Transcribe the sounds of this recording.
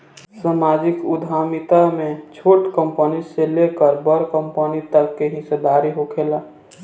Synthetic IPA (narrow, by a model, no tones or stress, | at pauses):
samaːd͡ʒɪkʊd̪ʱaːmit̪amẽt͡ʃʰoːʈkə̃mpəniselekəɾbəɾkə̃mpənit̪əkːeɦised̪aːɾiɦokʰeːla